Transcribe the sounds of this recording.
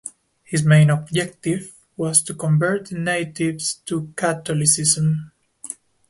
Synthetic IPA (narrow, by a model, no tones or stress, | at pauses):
hɪzmẽɪ̃nɔb̚d͡ʒɛk̚t̪ɪv | wɔzt̪ukɔ̃mvɜ˞tneɪtɪvstukʰat̪ɔlɪsɪzə̃m